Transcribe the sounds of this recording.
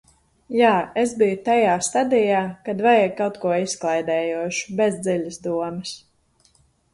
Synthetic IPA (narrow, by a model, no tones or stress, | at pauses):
jaːesbijut̪ajaːst̪ad̪ijaːkad̪vajɛkawt̪kuɔisklˠajd̪ɛːjuɔʃu̥bezd̪ziʎʲasd̪uɔmɛs